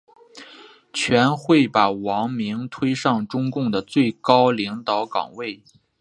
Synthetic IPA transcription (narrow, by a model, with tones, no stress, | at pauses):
t͡ɕʰɥɛ˧˥nxwe˥˩ɪpa˨˩wɑ˧˥ŋmi˧˥ŋt̪ʰwe˥ɪʂɑ˥˩ŋʈ͡ʂʊ˥ŋkʊ˥˩ŋd̪ə˩t͡swe˥˩ɪkɑ˥ʊli˧˥ŋt̪ɑ˧˥ʊkɑ̰˨˩ŋwe˥˩ɪ